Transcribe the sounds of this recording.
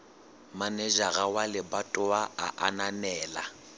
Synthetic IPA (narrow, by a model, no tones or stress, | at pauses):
manɛd͡ʒaɣawalɪbatʼʊwaaʔananɛːla̰